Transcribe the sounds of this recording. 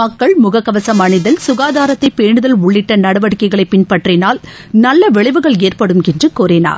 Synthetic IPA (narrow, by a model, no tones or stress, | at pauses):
mɐkːɐɭmʊɣɐkːɐʋɐsɐmɐɳɪðɐlsʊɣaːðaːɾɐt̪ːɐɪpeːɳɯðɐlʊɭːɪʈːɐnɐɽɐʋɐɽɯkːɐɪɣɐɭɐɪpːɪnpɐʈrɪnaːl | nɐlːɐʋɪɭɐɪʋɯɣɐɭeːrpɐɽɯmɛndrɯkoːɾena̰ːɾ